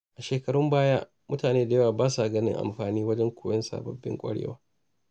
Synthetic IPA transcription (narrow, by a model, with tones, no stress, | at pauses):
ʔa˨ʃeː˨kɐ˨ɽʊ˦mbaː˦ja̰ː˦ | mʊ˦taː˨neː˦da˨jɐ˦waː˨baː˦sa˨ɡɐ˦nɪ̰˦ŋʔa̰˨mɸaː˨niː˦wɐ˦d͡ʒɛ˦ŋkʷʰoː˨jɐ˦nsa̰˨bɐ˨bːɪ̰˦ŋkʷʼɐ̰˦ɽḛː˦waː˦